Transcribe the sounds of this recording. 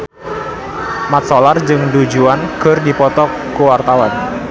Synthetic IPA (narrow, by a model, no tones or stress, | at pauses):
mat̪̚sɔlard͡ʒɨŋdud͡ʒuanɡ̥ə̤rdipɔt̪ɔ | kuwart̪awan